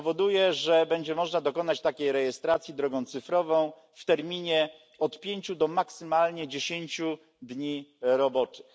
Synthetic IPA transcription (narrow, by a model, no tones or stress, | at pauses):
vɔd̪ujɛʐɛbɛɲd͡ʑɛmɔʐnad̪ɔkɔnat͡ɕt̪akʲejɾɛjɛst̪ɾat̪sʲjid̪ɾɔɡɔ̃w̃t̪sɘfɾɔvɔ̃w̃ | ft̪ɛɾmʲiɲɛ | ɔt̪pʲjeɲt͡ɕud̪ɔmaksɘmalɲɛd͡ʑeɕeɲt͡ɕu | d̪ɲiɾɔbɔt͡ʂɘ̥x